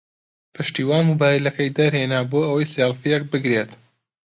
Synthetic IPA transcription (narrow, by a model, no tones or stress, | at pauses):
pʰɨʃt̪iːwaːnmubaːjilɐkɐjd̪ɐɾheːnaːboːʔɐwɐjsalfijek̚bɨɡɾet̪